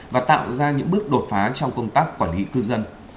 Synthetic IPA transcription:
vaː˨˩t̪a̰ː˧˨wzaː˧ɲɨ̰˧˥ŋɓɨ˦˥ək̚ɗo˨˩t̚faː˨˦t͡ɕɔ˧wŋ͡mkə˧wŋ͡mt̪aː˦˥k̚ːwaː˧˩nli˨˦kɨ˧zə˧n

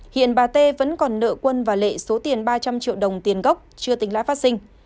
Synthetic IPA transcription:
hḭ˧˨ənɓaː˨˩t̪e˧və̰˧˥nkɔ˨˩nːə̰ː˧˨kwə˧nvaː˨˩lḛ˧˨so˨˦t̪i˨˩ənɓaː˧t͡ɕa˧mt͡ɕḭ˧˨əwɗə˨˩wŋ͡mt̪i˨˩ənɣə˦˥wk͡p̚t͡ɕɨ˧ət̪i˨˦ŋla̰ː˧˥faː˦˥sï˧ŋ̟

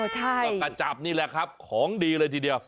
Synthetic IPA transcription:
t͡ɕʰa˥˩˧jka˧˩t͡ɕa˨˩p̚niː˥˩lɛ˨˩kʰɾa˦˥p̚kʰɔː˩˦ŋdiː˧lɤː˧jt̪ʰiː˧di˧ɐw

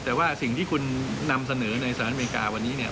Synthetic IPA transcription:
t̪ɛː˨˩waː˥˩si˨˩ŋt̪ʰiː˥˩kʰu˧nːa˧msa˧nɤː˩˦na˧jsaː˧˨˦me˧i˧ka̰ː˧wa˧nːiː˦˥ni˥˩ɐ

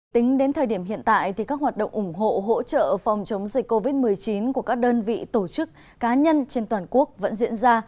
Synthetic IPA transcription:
t̪ï˨˦ŋ̟ɗe˨˦nt̪ʰəː˨˩jɗi˧˩əmɦḭ˧˨ənt̪a̰ː˧˨jt̪ʰi˨˩ka˦˥k̚waː˨˩t̚ɗə̰˧˨wŋ͡mʔʊ˧˩ŋ͡mɦo̰˧˨ɦo̰˧˥t͡ɕə̰ː˧˨fa˨˩wŋ͡mt͡ɕə˨˦wŋ͡mzï˨˩k̚kːo˧vi˦˥t̚mɨ˨˩əjt͡ɕi˨˦nku˧˩əkaː˦˥k̚ɗəː˧nvḭ˧˨t̪o˧˩t͡ɕɨ˦˥k̚ | kaː˨˦ɲə˧nt͡ɕe˧nt̪waː˨˩nku˦˥ək̚və̰˧˥nzḭ˧˥ənzaː˧

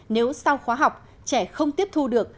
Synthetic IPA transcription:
ne˨˦wsa˧wxwaː˨˦ɦa˨˩wk͡p̚ | t͡ɕɛ˧˩xə˧wŋ͡mt̪i˦˥əp̚t̪ʰu˧ɗɨ˨˩ək̚

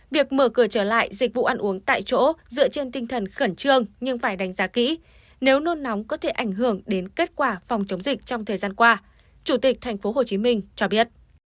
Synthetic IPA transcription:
vi˨˩ək̚məː˧˩kɨ˧˩ət͡ɕəː˧˩la̰ː˧˨jzi˨˩k̚vṵ˧˨ʔa˧nʔu˨˦əŋt̪a̰ː˧˨jt͡ɕo̰˧˥zɨ̰˧˨ət͡ɕe˧nt̪ï˧ŋt̪ʰə˨˩nxə˧˩nt͡ɕɨ˧əŋɲɨ˧ŋfaː˧˩jɗa˨˦ŋ̟zaː˨˦kḭ˧˥ | ne˨˦wno˧nːa˨˦wŋ͡mkɔ˨˦t̪ʰe˧˩ʔa˧˩jŋ̟ɦɨ˧˩əŋɗe˨˦nke˦˥t̚kwaː˧˩fɔ˨˩wŋ͡mt͡ɕə˨˦wŋ͡mzï˨˩k̟̚t͡ɕɔ˧wŋ͡mt̪ʰəː˨˩jzaː˧nkwaː˧ | t͡ɕu˧˩t̪i˨˩k̚t̪ʰjŋ̟fo˨˦ɦo˨˩t͡ɕi˨˦mï˧ŋ̟t͡ɕɔ˧ɓi˦˥ət̚

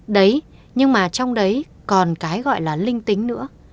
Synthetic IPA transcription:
ɗə˨˦j | ɲɨ˧ŋmaː˨˩t͡ɕɔ˧wŋ͡mɗə˨˦j | kɔ˨˩nkaː˨˦jɣɔ̰˧˨jlaː˨˩lï˧ŋ̟t̪ï˨˦ŋ̟nɨ̰˧˥ə

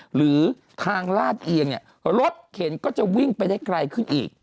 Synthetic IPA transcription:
ɾɯː˩˦ | t̪ʰaː˧ŋlaː˥˩t̪̚ʔi˧əŋni˥˩ə | ɾo˦˥t̪̚hʰe˨˩˦nkɔː˥˩t͡ɕa˨˩wi˥˩ŋpa˧jdaː˥˩jkɾa˧jkʰɯ˥˩nʔḭː˨˩k̚

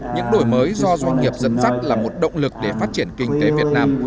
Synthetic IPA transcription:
ɲɨ̰˧˥ŋɗo˧˩jməː˨˦jzɔ˧zwa˧ŋ̟ŋi˨˩əp̚zə̰˧˥nza˦˥p̚laː˨˩mo˨˩t̚ɗə̰˧˨wŋ͡mlɨ˨˩k̚ɗe˧˩faː˦˥t̚t͡ɕi˧˩ənkï˧ŋ̟t̪e˨˦vi˨˩ət̚naː˧m

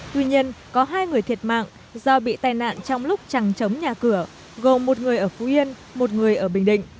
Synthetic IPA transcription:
t̪wi˧ɲi˧ənkɔ˨˦ɦaː˧jŋɨ˨˩əjt̪ʰi˨˩ət̚ma̰ː˧˨ŋ | zɔ˧ɓḭ˧˨t̪aː˨˧˩jna̰ː˧˨nt͡ɕɔ˧wŋ͡mlʊ˦˥k͡p̚t͡ɕa˨˩ŋt͡ɕə˨˦wŋ͡mɲaː˨˩kɨ˧˩ə | ɣo˨˩mːo˨˩t̚ŋɨ˨˩əjʔəː˧˩fu˨˦ʔi˧ən | mo˨˩t̚ŋɨ˨˩əjʔəː˧˩ɓï˨˩ŋ̟ɗḭ̈˧˨ŋ̟

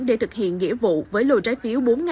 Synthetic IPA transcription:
ɗe˧˩t̪ʰɨ˨˩k̚hḭ˧˨ənŋḭ˧˥əvṵ˧˨vəː˨˦jlo˨˩t͡ɕaː˨˦jfi˨˦əwɓo˨˦nŋa˨

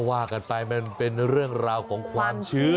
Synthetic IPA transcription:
waː˥˩ka˧npa˧jma˧˩npe˧nɾɯ˥˩əŋɾaː˧wkʰɔː˩˦ŋkʰwaː˧mt͡ɕʰɯː˦˥

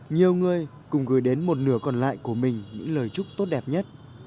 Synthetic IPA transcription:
ɲi˨˩əwŋɨ˨˩əj | kʊ̰˨˩ŋ͡mɣɨ˧˩jɗe˨˦nmo˨˩t̬̚nɨ˦˧˩əkɔ˨˩nla̰ː˧˨jku˧˩əmï˨˩ŋ̟ɲɨ̰˧˥ŋləː˨˩jt͡ɕʊ˦˥k͡p̚t̪o˦˥t̚ɗɛ˨˩p̚ɲə˦˥t̚

